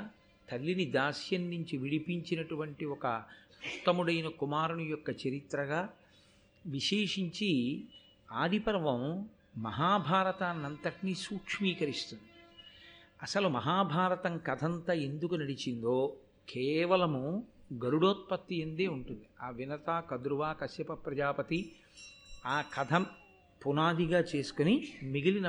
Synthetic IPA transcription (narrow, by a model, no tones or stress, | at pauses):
t̪ɐlːinid̪aːsjɐnːiɲt͡ʃiʋiɽipiɲt͡ʃinɐʈuʋɐɳʈiɔkɐ | ut̪ːɐmuɽɐjnɐkumaːɾuɳujɔkːɐt͡ʃɐɾit̪ɾɐɡaː | ʋiʃeːʂiɲt͡ʃi | aːd̪ʱipɐɾʋɐm | mɐɦaːbʱaːɾɐt̪aːnːɐnt̪ɐʈnisuːkʂmiːkɐɾist̪und̪i | ɐsɐlumɐɦaːbʱaːɾɐt̪ɐŋkɐd̪ʰʱɐnt̪ɐend̪ukunɐɽit͡ʃind̪oː | kʰeːʋɐlɐmuɡɐɾuɽoːt̪̚pɐt̪ːiɐnd̪eːuɳʈund̪iaːʋinɐt̪aːkɐd̪ɾuʋaːkɐsjɐpɐpɾɐd͡ʒaːpɐt̪i | aːkɐd̪ʰʱɐm | punaːd̪iɡaːt͡ʃe̞ːsu̥konimiɡilinɐ